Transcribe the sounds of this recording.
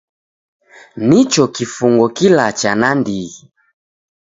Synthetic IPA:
nit͡ʃɔkifuŋɡɔkilat͡ʃanandi

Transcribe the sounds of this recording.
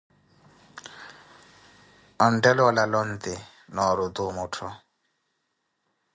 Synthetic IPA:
ɔn̩dɛlɔlalɔn̩t̪ɪ | nɔɾʊd̪ʊmʊtʰɔ

